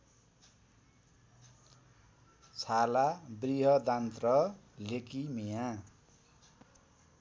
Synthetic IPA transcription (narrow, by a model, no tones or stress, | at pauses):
t͡sʰalabriɦʌd̪ant̪rʌ | lekimijã